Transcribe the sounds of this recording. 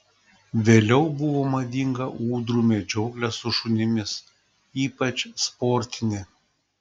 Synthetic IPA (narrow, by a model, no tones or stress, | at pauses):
ʋʲeːlʲɛʊbʊʋoːmɐd̪ʲiŋɡɐʔuːd̪ɾuːmʲed͡ʒʲɔʊklʲɛsʊʃʊnʲɪmʲɪs | iːpɐt͡ʃʲspɔɾʲt̪ʲɪnʲɪ